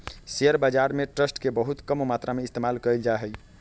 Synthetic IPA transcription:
seəɾbad͡ʒaɾmeʈɾəsʈkebəɦut̪kəmmat̪ɾameist̪emalkəld͡ʒaɦɛj

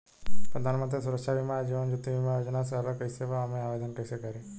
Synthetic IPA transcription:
pɾəd̪ʱaːnmənt̪ɾisuɾəkʃaʋimad͡ʒiːʋənd͡ʒut̪ːiʋimajoːd͡ʒnasɐɦɾakɐiseʋaːmẽaːʋeːd̪ənkɐisekɐɾe

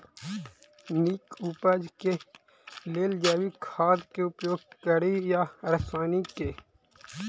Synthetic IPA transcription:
nikuːpəd͡ʒke | leːld͡ʒaːwikʰaːd̪keʊpjoːɡ̚kəɾijaɾsaːnike

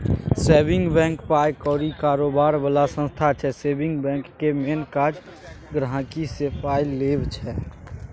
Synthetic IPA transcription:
seːbɪ̃ŋɡbɛ̃ːŋkpaːjkɔːɾikaːɾobaːɾbəlasə̃nst̪ʰat͡ʃʰɛseːbɪ̃ŋɡbɛ̃ŋkːemenkad͡ʒ | ɡɾɦãkisepaːilebt͡ʃʰɛː

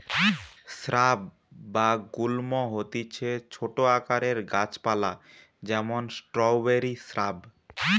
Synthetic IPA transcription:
sɾabː | aɡulmoɦot̪it͡ɕʰet͡ɕʰoʈoakaɾeɾɡat͡ɕpala | d͡ʑɛmonsʈɾɔwbeɾisɾab

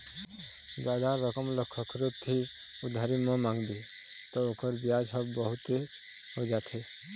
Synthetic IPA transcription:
d͡ʒaːd̪aɾəkəmləkʰːɔkʰɾut̪ʰːi | ʊd̪ʱaɾimɔ̃mãŋɡb̪i | t̪ɔokəɾbjad͡ʒɦʌbbɔɦʊt̪ːe | ɦod͡ʒat̪ʰe

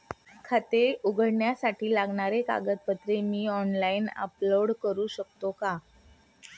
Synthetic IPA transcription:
kʰat̪euɡʱəɽɳjasaʈʰiːlaɡɳaɾeka̰ɡət̪̚pət̪ɾemiːɔnlainə̰ploɽkəɾuːɕək̚t̪oka

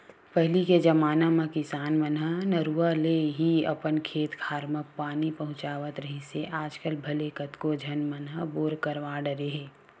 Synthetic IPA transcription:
pɛɦliked͡ʒɐmaːnamẽkɪsaːnmənɦənəɾuːaleɦiɐ̰pənkʰeːt̪kʰaːɾməpaːnipɐɦʊ̃t͡ʃaːʋət̪ɾəɦiseʔaːd͡ʒkəlbʱɐlekət̪kod͡ʒʱɐnmənɦəboːɾkəɾʋaːɖəɾeɦeː

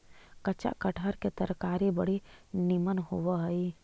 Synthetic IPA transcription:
kət͡ʃa̰ʔkəʈʰəɾket̪əɾkaːɾibəɽ̤inimənɦoʋaɦɐi

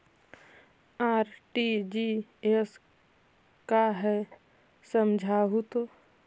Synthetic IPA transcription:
aːɾʈid͡ʒies | kaɦɛ | səmd͡ʒʱaɦut̪o

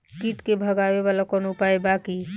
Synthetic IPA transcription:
kiːʈkebʱəɡaːʋeʋaːlakɔnopaebaki

